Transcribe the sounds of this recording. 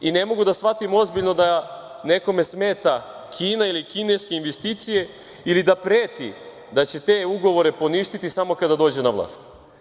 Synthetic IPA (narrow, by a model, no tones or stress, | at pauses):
ine̞mo̞ɡud̪asʋat̪imo̞zbiʎno̞d̪a | ne̞ko̞me̞smeːt̪a | kʰiːnailikineskeinʋest̪iːt̪sije̞ | ilid̪apɾeːt̪ḭ | d̪at͡ɕe̞t̪e̞ːuɡo̞ʋo̞ɾe̞po̞niʃt̪it̪isamo̞kad̪ad̪o̞ːd͡ʑenaʋlˠa̰ːst̪